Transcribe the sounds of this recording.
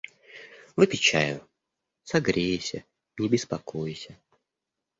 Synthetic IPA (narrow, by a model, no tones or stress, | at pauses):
vɨpʲɪt͡ɕa̰jʊ̰ | sɐɡɾʲejsʲə | nʲɪbʲɪspɐkojɪsʲə